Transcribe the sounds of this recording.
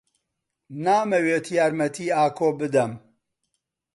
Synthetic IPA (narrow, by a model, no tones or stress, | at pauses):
naːmɐweːt̪ʰjaːɾmɐt̪ʰiːaːkʰoːbɨd̪ɐm